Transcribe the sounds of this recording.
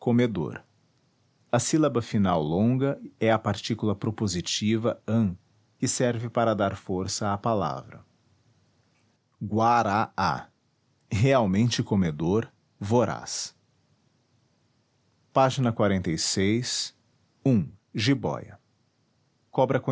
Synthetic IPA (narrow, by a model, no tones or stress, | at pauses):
komed̪o̰ɾ | ɐsilabɐfinawlõɡɐɛɐpaɾt͡ʃikulɐpɾopozit͡ʃivɐɐ̃ | kɪsɛɾvɪpaɾɐd̪aɾfoɾsɐapala̰vɾɐ̰ | ɡwaɾaa̰ | heawmẽnt͡ʃɪkomed̪oɾ | voɾa̰s | paʒinɐkwaɾẽnt̪ejsejs | ũ | ʒibɔ̰jɐ̰ | kɔbɾɐkõ